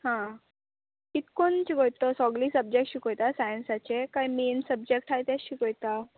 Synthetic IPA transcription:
hã | kit̪kont͡ɕiɡojt̪osɔɡliːsəb̚d͡ʑek̚ʈɕikojt̪asajənsat͡ɕekajmeːnsəb̚d͡ʑek̚ʈɦajt̪jaɕikojt̪a

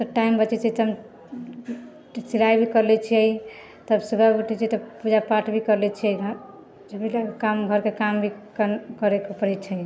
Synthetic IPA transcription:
t̪əʈaimbət͡ʃɛt͡ʃʰit̪ɔɦm | silajbʱikəɾlɛt͡ʃʰiəi | t̪əbsubʱabəʈʰɛt͡ʃʰit̪əbpud͡ʒapaʈʰbʱikəɾlɛt͡ʃʰiəi | d͡ʒebʱilakamɡʱəɾkekambʱikkəɾekopəɾɛt͡ʃʰɛ

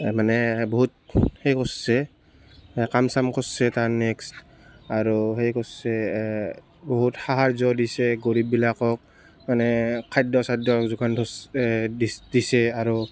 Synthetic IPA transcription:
manɛbɔɦut̚hejkɔsːɛ | kamsamkʰɔsːɛtanekst | aɹuɦejkɔsɛ | bɔɦuthaɦaɹzɔdisɛɡoɹip̚bilakɔk̚ | manɛkʰajdɔsajdɔkzuɡantʰɔsdidisɛaɹu

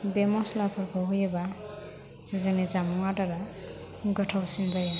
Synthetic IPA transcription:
bemɔslapʰɔɾkʰɔɦujɯba | zeŋnit͡ʃamɔŋataɾa | ɡʌtʰawsinzaja

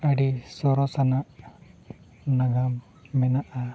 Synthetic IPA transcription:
aɖisɔɾɔsanaʔ | naɡamː | ɛnaʔa

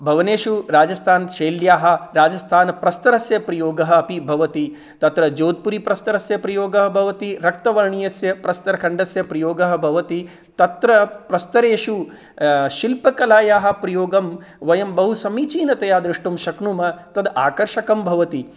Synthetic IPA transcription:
bʱɐʋɐneːʃuɾaːd͡ʒɐst̪ʰaːnʃeːljaːɦɐ̆ɾaːd͡ʒɐst̪ʰaːnɐpɾɐst̪ɐɾɐsjɐpɾɐjoːɡɐɦɐ̆ːpibʱɐʋɐt̪i | t̪ɐt̪ɾɐd͡ʒoːd̪̚puɾipɾɐst̪ɐɾɐsjɐpɾɐjoːɡɐɦɐbʱɐʋɐt̪iɾɐk̚t̪ɐʋɐɾɳijɐsjɐpɾɐst̪ɐɾɐkʰɐɳɖɐsjɐpɾɐjoːɡɐɦɐ̆bʱɐʋɐt̪i | t̪ɐt̪ɾɐpɾɐst̪ɐɾeːʂu | ʃilpɐkɐlaːjaːɦɐ̆pɾɐjoːɡɐm | ʋɐjɐmbɐɦusɐmiːt͡ʃiːnɐt̪ɐjaːd̪ɾiʂʈumʃɐknumɐt̪ɐd̪aːkɐɾʃɐkɐmbʱɐʋɐt̪i

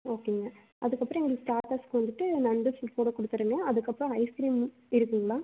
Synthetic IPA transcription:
oːkːeŋɡɐ | ʔɐðɯkːɐpːɾɔ̃ɛŋɡɐɭsʈaːʈɐskɯʋɐnd̪ɯʈːɯnɐɳɖɯspoːɽɐkɔɽɯt̪ːɯɾɯŋɡɐɐðɯkːɐpːɯɾɔ̃ɐɪskɾiːm | ɪɾɯkːɯŋɡɐɭaː

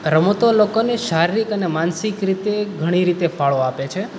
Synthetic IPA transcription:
ɾəmot̪olokoneʃaɾiɾikənemansikɾit̪eɡʱəɽ̃iɾit̪efaɭoapet͡ʃʰe

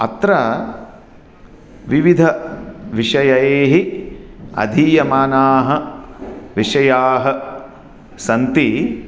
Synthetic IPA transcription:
ɐ̰t̪ɾɐ | ʋiʋid̪ʱɐʋiʂɐjɐeːɦi | ɐ̰d̪ʱiːjɐmaːnaːɦɐ̆ | ʋiʂɐjaːɦɐ | sɐnt̪i

